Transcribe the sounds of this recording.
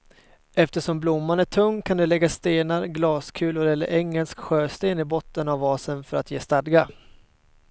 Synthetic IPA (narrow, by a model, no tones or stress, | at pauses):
ɛft̪əʂɔmblʊmːanæʈʰɵŋːkʰand̪ɛlɛɡːast̪eːnaɾɡlɑːskʰʉ̟ːlʊɾɛlːə̰ɾʔɛŋːəlskɧøːst̪eːnɪbɔt̪ːənavɑːsənfœɾat̪jeːst̪ad̪ɡa